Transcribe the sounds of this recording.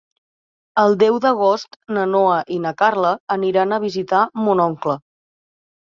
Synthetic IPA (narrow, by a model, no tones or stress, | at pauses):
əlˠd̪ɛwd̪əɣ̞ost̪nənoəʔinəkarləːniɾanəβ̞izit̪amunɔŋklə